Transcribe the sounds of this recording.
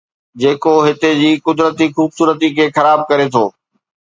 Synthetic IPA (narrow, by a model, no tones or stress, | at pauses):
d͡ʑeːkoɦɪt̪ed͡ʑiːkʊd̪ɾət̪ixuːbsuːɾət̪ikʰeːxɐɾaːb̚kɐɾet̪ʰoː